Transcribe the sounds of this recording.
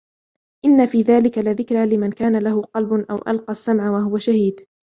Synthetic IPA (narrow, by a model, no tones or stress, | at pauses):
ʔɪnːafiːðaːlɪkalɪðɪkɾaːlɪmankaːnalahʊqɑlbʔa̰wʔa̰lqɑsːamʕawaɦʊwaʃahiːd̪